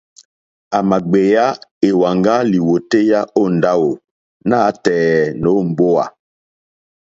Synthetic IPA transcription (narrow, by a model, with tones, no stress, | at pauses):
a˨ma˨ɡ͡be˨ja˦e˨wa˨ŋɡa˦li˨wo˨te˦ja˦o˦˨n˨da˦wo˨ | na˦tɛː˨no˨˦m̩˨bo˦a̰˨